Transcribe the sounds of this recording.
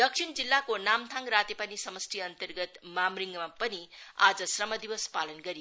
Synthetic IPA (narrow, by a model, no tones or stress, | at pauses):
d̪ʌk̚sʰind͡zilːakonamt̪ʰaŋrat̪epanisʌmʌst̪ʰiʌnt̪ʌrɡʌt̪mamriŋɡmapʌnia̰d͡zʌsrʌmʌd̪ibʌspalʌnɡʌɾi